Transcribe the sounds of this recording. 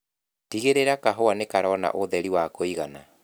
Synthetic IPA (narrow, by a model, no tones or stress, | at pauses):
tiɣeɾeɾakaɦoanekaɾɔna̰ʔoðɛɾiwakoiɣana